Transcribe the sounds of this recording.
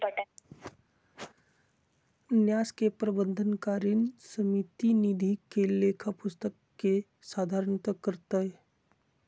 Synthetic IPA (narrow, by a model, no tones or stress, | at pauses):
njaːskepɾəbə̃nd̪ʱənkaɾinsəmit̪inid̪ʱikelekʰapʊst̪əkːe | saːd̪ʱaːɾəɳt̪əkəɾt̪əe